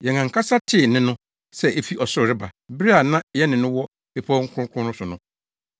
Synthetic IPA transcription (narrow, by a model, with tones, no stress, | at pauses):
jɛ˨ŋã˨ŋ˨kʰa˦sa˦tʰɪ˦˨nɪ̃˦nʊ̃˦ | sɛ˦ʔe˦fi˦ʔɔ˨sʊ˦˨ɾɪ˦ba˨bi˦ɾi˦a˨nã˦jɛ˦nɪ̃˨nʊ̃˦wɔ˦ | pe˦˨pʰɔ˦ŋ̩˦kʰʊ̃˦ʊ˦kʰʊ̃˦nʊ̃˦sʊ˨nʊ̃˨˦